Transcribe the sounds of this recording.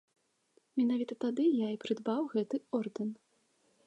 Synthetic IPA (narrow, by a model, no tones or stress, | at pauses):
mʲinavʲit̪ɐt̪ad̪ɨjaipɾɨd̪bawɣɛt̪ɨɔrd̪ɛn